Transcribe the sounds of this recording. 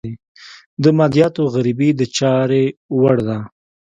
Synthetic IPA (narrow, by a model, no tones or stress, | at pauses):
i | d̪əmɑd̪ijɑt̪oɣaɾibid̪ət͡ʃɑɾewaɽd̪a